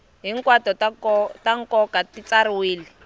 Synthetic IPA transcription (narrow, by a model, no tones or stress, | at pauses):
ɦiŋkwatɔtataŋ̩kɔkatit͡saɾiwiːli